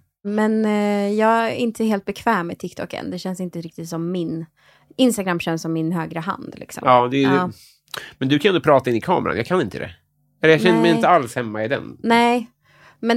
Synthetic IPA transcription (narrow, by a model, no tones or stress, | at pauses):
mɛnjɑːɡɪnt̪ʰəheːlt̪̚bɛkʰv̥ɛːmːɛt̪ʰɪkt̪ʰɔ̰kːə̰nd̪ɛɕɛnsɪnt̪əɾɪk̚t̪ɪt̪sɔmːɪn | ɪnst̪aɡɾamːɕɛnsɔmːɪnɦøːɡɾəɦa̰nd̪lɪ̰ksɔ̰mɑːd̪ɛ | mɛnd̪ɵkʰanɛnd̪ʊpɾɑːt̪aɪnːɪkʰɑ̰ːm̰ɾa̰njɑːɡkʰanɪnt̪ʰə̰d̪ɛ̰ | ɛlːəjaɛnd̪əmɛjɪnt̪əalshɛmːaɪd̪ɛ̰nnɛɪ | mɛn